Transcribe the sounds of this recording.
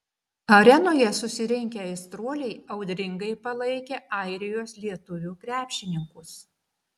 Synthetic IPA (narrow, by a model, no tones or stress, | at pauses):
ɐɾʲɛnoːjɛsʊsʲɪɾʲɪŋʲkʲɛɐɪst̪ɾoɔlʲɛɪɐʊd̪ʲɾʲɪŋɡɐɪpɐlˠɐɪkʲeːʔɑˑɪɾʲɪjoːslʲiɛt̪ʊʋʲuːkɾʲæːpʲʃʲɪnʲɪŋkʊs